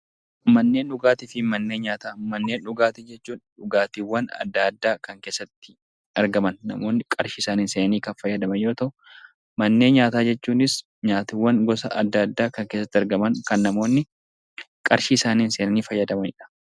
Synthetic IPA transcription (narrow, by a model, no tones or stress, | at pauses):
mɐnːe̞ːnᶑʊɡaːt̪ɪfɪmɐnːe̞ːɲaːt̪aːmɐnːe̞ːnᶑʊɡaːt̪ɪd͡ʒɛt͡ʃːuːnᶑʊɡaːt̪ɪwːɐnɐ̰d̪ːaːd̪ːaːkɐŋke̞ːsːɐt̪ːɪ̥ | ɐɾɡɐmɐnːɐ̰mo̞ːnːɪkʼɐɾʃɪːsaːniːnseːnɐniːkɐnfɐjːɐd̪ɐmɐnjo̞ːt̪ɐʔʊ | mɐnːe̞ːnɲaːt̪aːd͡ʒɛt͡ʃːuːnɪs | ɲaːt̪ɪwːɐŋɡɔsɐʔɐd̪ːad̪ːaːkɐŋkeːsːɐt̪ːɪɐɾɡɐmɐŋkɐnːɐmo̞ːnːɪ | kʼɐɾʃiːsaːniːnse̞ːnɐniːfɐjːɐd̪ɐmɐnɪᶑɐ̥